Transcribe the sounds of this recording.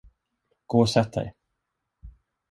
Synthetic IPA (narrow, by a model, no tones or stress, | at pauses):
ɡ̥oːsɛt̪̚d̪ɛ̰j